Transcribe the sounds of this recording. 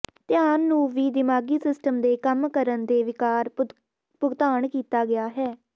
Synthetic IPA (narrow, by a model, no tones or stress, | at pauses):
t̪ɪjaːnːũːʋiːd̪ɪmaːɡiːsɪsʈəmd̪eːkəmkəɾənd̪eːʋɪkaːɾ | pʊɡt̪aːɳkiːt̪aːɡɪaːɦɛː